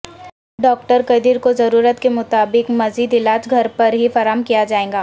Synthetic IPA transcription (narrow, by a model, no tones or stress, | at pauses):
ɖɔːk̚ʈəɾkɐd̪iɾkozɐɾuːɾət̪kemʊt̪aːbɪkmɐziːd̪ɪlaːd͡ʒɡʱɐɾpɐɾɦifɐɾaːmkijad͡ʒaːẽːɡaː